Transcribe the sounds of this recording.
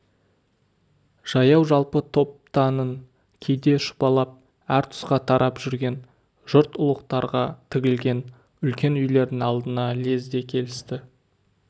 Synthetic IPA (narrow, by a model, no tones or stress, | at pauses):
ʒ̥ɑjɑwʒɑlˠpət̪ʰo̞p̚t̪ɑnəŋ | kʲʰejd̪e̞ʃʊ̥pɑlˠɑp̚ | æɾt̪ʰʊ̥sqɑt̪ʰɑɾʔɑpʒ̥ʏɾɡʲe̞n | ʒ̥ʊɾt̪ʊlˠəqt̪ɑɾʁɑt̪ʰɪɡʲɪlɡʲe̞n | ʏlkʲe̞nʏjle̞ɾd̪ɪŋɑlˠd̪ənɑle̞zd̪e̞kʲʰe̞lɪst̪ɪ